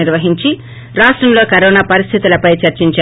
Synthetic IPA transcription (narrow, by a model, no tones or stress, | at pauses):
iɾʋɐɦiɲt͡ʃi | ɾaːʂʈɾɐmlo̞ːkɐɾoːnaːpɐɾist̪ʰit̪ulɐpɐjt͡ʃɐɾt͡ʃiɲt͡ʃa